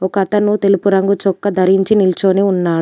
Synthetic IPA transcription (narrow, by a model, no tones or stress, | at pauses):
ɔkɐt̪ɐnut̪e̞lupuɾɐŋɡut͡ʃɔkːɐd̪ʱɐɾiɲt͡ʃinilt͡ʃoːniːunːaːɽ